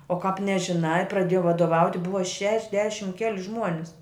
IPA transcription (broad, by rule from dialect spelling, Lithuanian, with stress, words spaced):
oː kɑːp nʲɛʒʲɪˈnɐɪ prɐˈdʲeːjɛʊ ʋɐdoːˈʋɐʊtʲɪ ˈbʊʋɐ ʃʲɛʒʲˈdʲæːʃʲɪm ˈkʲæːlʲɪ ˈʒmuɔnʲɪs